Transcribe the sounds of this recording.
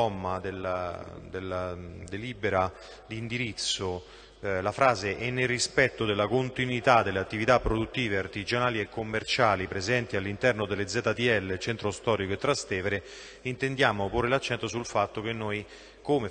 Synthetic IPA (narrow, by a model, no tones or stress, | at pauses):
ɔmːad̪ela̰d̪elːad̪eliːbeɾa | d̪ind̪iɾit̪sːo | lafɾaːzeʔenːelrːispɛt̪ːod̪elːakont̪inwit̪ad̪ːelːeat̪ːivit̪apːɾod̪ut̪ːiːveart̪idd͡ʒanaːliekːomːert͡ʃaːlipɾezɛnt̪ialːint̪ɛrnod̪elːed̪zːɛːt̪at̪iɛlːet͡ʃɛnt̪ɾost̪ɔːɾikoet̪ːɾast̪ɛːveɾe | int̪end̪jaːmoporːelat͡ʃːɛnt̪osulfat̪ːok̟enːoj | kome